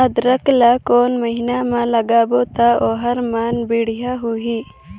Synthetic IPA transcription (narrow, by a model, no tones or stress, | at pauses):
əd̪ɾəklakoːnməɦinamãlɐɡaːboːt̪aoːɦɐɾmaːnbiɽ̤ijaɦuɦiː